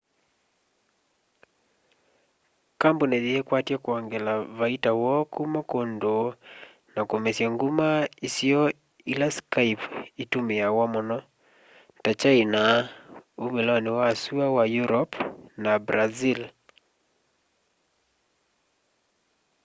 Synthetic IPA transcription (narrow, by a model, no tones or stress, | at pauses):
kambunɛðiɛkwatjakuɔŋɡɛlavaitawɔkʰumakondo | nakomɛsiaŋɡumaisiɔ | ilaskajpitumɛawamɔnɔ | tat͡ʃaina | umelɔniwaːsuawajuɾɔpnabɾazil